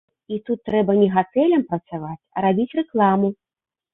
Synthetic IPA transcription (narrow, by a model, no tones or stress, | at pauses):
it̪ut̪ːɾɛbɐnʲɛɣat̪ɛlʲɐmpɾɐt̪savat͡sʲɐ̰ɾabʲit͡sʲrɛklˠamu